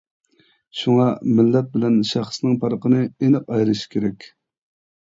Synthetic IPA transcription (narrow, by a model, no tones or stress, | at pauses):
ʃuŋɑmɪlːɛp̚bɪlɛnʃæχsnɨŋpʰɑɾqənɨenɨqɑjɾɨʃkʲʰeɾɛkʲ